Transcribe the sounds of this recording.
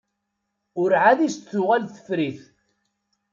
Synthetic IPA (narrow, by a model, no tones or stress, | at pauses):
ʊɾʕaðist͡sːʊʁælθə̥fɾiθ